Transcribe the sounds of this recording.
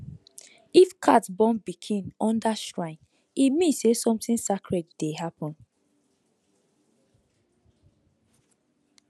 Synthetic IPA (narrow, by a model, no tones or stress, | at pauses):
ifkʰatbɔ̃nbikʰĩnɔ̃ndaʃɹãɪ̃n | imĩnsesɔ̃mtĩnsakɹetdeɦapɔ̃n